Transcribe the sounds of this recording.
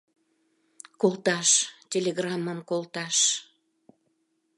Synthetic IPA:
kolˠt̪ɑʃtʲelʲeɣrɑməmkolt̪ɑʃ

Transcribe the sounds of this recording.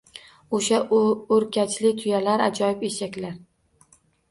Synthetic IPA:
oʃaoɾkʲʰat͡ʃʰlɪt̪ʰʊjalaɾad͡ʒɒjɪpeʃakʲlaɾ

